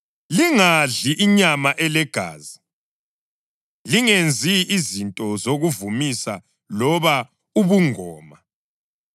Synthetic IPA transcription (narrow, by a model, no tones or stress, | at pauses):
liŋaɮiʔiɲamaʔɛlɛɡ̥ʱa̰ːzi | liŋend͡zʱiːzintʼɔzoɣuvumisa̰ | lɔβa | uβuŋɔːma